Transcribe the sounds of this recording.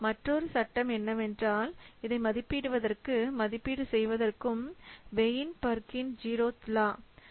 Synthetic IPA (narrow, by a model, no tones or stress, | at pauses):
mɐʈrɔɾɯsɐʈːɐmɛnːɐmɛndraːlɪðɐɪmɐðɪpːiɽɯʋɐðɐrkɯmɐðɪpːiɽɯsɛjʋɐðɐrkɯmʋɛjɪnpɐɾkɪnd͡ʒiːɾoːt̪ɪlaː